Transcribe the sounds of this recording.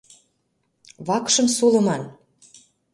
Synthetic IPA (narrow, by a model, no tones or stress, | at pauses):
βɑkʃɤ̆msulɤ̆mɑn